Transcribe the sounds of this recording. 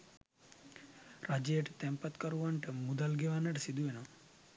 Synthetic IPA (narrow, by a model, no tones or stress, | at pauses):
ɾad͡ʒeeʈt̪ɛmpət̪kɐɾuʋɐɳʈəmud̪alɡeʋanɐʈsid̪uena